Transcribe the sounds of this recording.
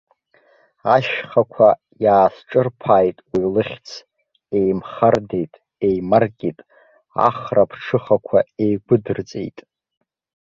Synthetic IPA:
aʃχakʷʰa | jaːsʈ͡ʂʼɨrpʰaːjtʼwilɨχʲt͡sʰ | e̞jmχarde̞jtʼ | ejmarkʲʼitʼ | a̰χrapʰʈ͡ʂʰɨχakʷʰaejɡʷʊdɨrt͡sʼe̞̰jtʼ

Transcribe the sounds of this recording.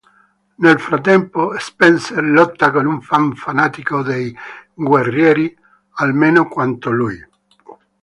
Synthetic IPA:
nelfɾat̪ːɛmpoespɛnserlɔt̪ːakonuɱfaɱfanaːt̪ikod̪ejɡwerːjɛːɾi | almeːnokwant̪oluj

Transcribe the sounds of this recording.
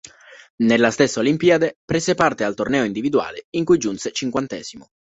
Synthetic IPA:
nelːast̪esːeolimpiːad̪epɾeːsepart̪ealt̪ornɛːoind̪ivid̪ua̰ːleiŋkujd͡ʒunset͡ʃiŋkwant̪ɛːz̥imo

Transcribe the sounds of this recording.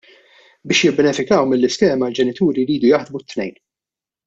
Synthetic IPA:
bɪːʃjɪbːɛnɛfɪkɐwmɪlːɪskɛːmɐld͡ʒɛnɪt̪uːɾiɾiːd̪ujɐħd̪mut̪ːnɛjn

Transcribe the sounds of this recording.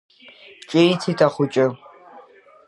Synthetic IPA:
t͡ʃʼejtʰitʰʼaχʷʊt͡ʃʼɪ

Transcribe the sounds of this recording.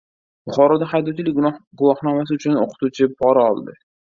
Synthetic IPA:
b̥ʊχɒɾɒd̪ahajd̪ɒt͡ʃʰɪlɪɡʊlˠɒhnɒmas̬ɪʊt͡ʃʰʊno̰qʰɨ̥t̪ut͡ʃʰɪpʰɒɾaɒlˠd̪ɪ

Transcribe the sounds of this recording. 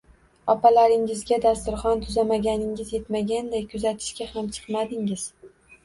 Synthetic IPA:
ɒpalaɾɪŋɪzɡʲad̪ast̪ʊɾχɒnt̪ʰʊzamaɡʲanɪŋɪzje̞t̪maɡʲand̪ajkʰʊzat̪ʰɪ̥ʃkʲahamt͡ʃʰɨ̥qmad̪ɪŋɪz̥

